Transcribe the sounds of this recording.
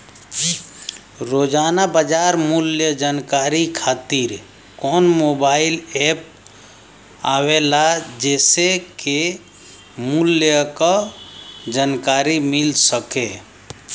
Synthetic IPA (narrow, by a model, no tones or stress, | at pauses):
ɾod͡ʒaːnabəd͡ʒaɾmuljəd͡ʒankaɾikʰaːt̪iɾ | kɔːnmobailep̚ | awelad͡ʒɛːseke | muljəkə | d͡ʒankaɾimilsəke